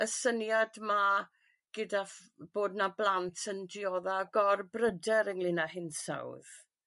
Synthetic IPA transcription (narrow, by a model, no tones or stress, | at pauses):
əsənjadma | ɡ̥ədaf | b̥oːdnablˠantʰəndiɔːðaɡɔrbrədɛɾəŋlˠɪnahɪnsa̰wð